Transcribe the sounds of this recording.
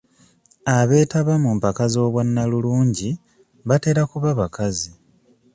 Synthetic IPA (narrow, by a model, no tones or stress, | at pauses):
aβe̞ːtaβamumpakazo̞ːβwanːaluluːɲɟi | βate̞ɾakuβaβakazi